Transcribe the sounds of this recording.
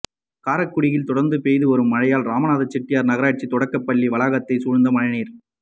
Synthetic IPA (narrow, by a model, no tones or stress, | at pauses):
kaːɾɐkːʊɽɪjɪlt̪ɔɽɐɾnd̪ɯpejðɯɔɾɯmːɐɻɐjaːlɾaːmɐnaːðɐt͡ʃːɛʈːɪjaːɾnɐɣɐɾaːʈ̚t͡ʃːit̪ɔɽɐkːɐpːɐɭːiʋɐɭaːɣɐt̪ːɐɪsuɻnd̪ɐmɐɻɐniːɾ